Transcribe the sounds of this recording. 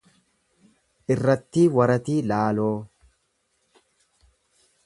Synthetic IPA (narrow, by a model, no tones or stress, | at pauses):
ʔɪrːɐt̪ːiːwɐɾɐt̪iːlaːloː